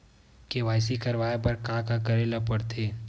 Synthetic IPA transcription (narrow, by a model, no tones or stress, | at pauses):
keʋaːɪsikɐɾʋaːjepɐɾkãːkakɐɾeːlapɐɽt̪ʰeː